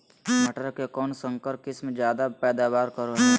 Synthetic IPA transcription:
məʈəɾkekɔːnsə̃ŋkəɾp̚kɪsmẽd͡ʒjaːd̪apɛːd̪aːʋaːɾkəɾo

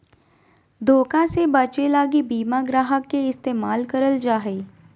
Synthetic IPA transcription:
d̪ʱoːkãsebɐt͡ʃelaːɡibiːmaɡɾaːɦəkːeɪst̪eːmaːlkɐɾəld͡ʒaːɦeː

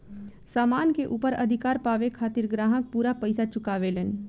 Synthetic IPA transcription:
saːmaːnkeʔuːpəɾəd̪ʱɪkaːɾpaːʋekʰaːt̪iɾɡɾãːɦə̃k̚puːɾapəɪsat͡ʃʊkaːʋelɛːn

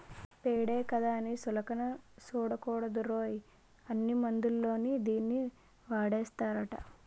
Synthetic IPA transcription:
peːɽeːkɐd̪aːɐnisulɐkɐnɐsuːɽɐkɔːɽɐd̪uɾoːji | ɐnːimɐnd̪ulːo̞ːnid̪iːnːi | ʋaːɽeːst̪aːɾɐʈɐ̰

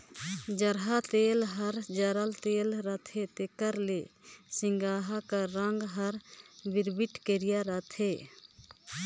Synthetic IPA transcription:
d͡ʒəɾɦat̪eːlɦəɾd͡ʒəɾəlt̪eːlɾət̪ʰet̪ekəɾlesɪŋɡaːɦakaɾəŋɡɦəɾbiɾbiʈkeɾijaɾət̪ʰe

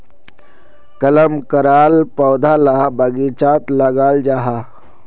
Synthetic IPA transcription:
kɐləmkɐɾaːlpɔːd̪ʱalabɐɡiːt͡ʃaːt̪lɐɡaːld͡ʒaːɦa

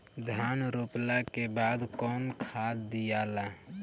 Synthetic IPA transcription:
d̪ʱaːnɾoːplakebaːd̪kɔːnkʰaːt̪d̪ijaːlaː

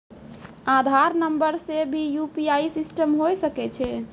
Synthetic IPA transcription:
ad̪ʱaɾnəmbəɾsebʱijupiaisisʈəmɦojsəkɛt͡ʃʰɛ

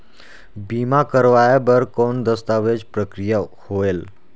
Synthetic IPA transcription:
bimakəɾʋajabəɾkond̪əst̪aʋed͡ʑpɾəkɾijə | hoel

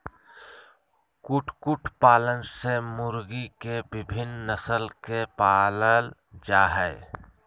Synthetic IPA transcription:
kʊʈʰkʊʈʰpaːlənsemʊɾɡikebɪbʱɪnnəsəlkepaːləl | d͡ʒaːɦɛɪ

